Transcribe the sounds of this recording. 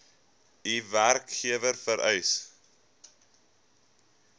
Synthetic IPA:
iværkχiəvərfəɾʔœ̰js

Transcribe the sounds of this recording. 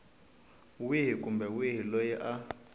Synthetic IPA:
wiɦikumbɛwiɦilojiʔa

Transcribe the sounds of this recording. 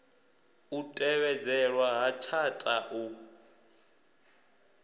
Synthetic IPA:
utʼɛβɛd͡zɛɺwaɦat͡ʃʰatʼaʔu

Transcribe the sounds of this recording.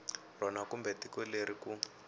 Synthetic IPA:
r̤ɔnakumbɛtikɔleɾiku

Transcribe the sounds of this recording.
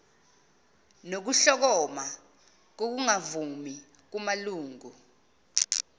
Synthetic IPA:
nok̬uɬɔk̬ɔma | k̬ok̬uŋavumi | k̬umaluːŋu

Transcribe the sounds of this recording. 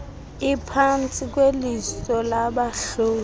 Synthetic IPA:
ipʰant͡sʼik̬ʼwelisɔlaɓaɬoː

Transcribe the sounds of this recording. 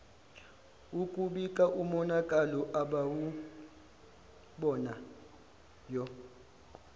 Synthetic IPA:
ukʼuɓikʼaʔumɔnakʼalɔʔaɓawu | ɓɔna | jɔ

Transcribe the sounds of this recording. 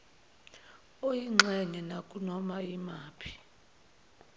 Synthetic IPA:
ojiŋ͡ǁɛnɛnakʼunɔmaimaːpʰi̥

